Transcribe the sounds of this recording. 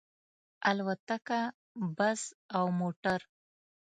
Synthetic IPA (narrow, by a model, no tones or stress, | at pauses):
alwat̪aka | bazawmoʈaɾ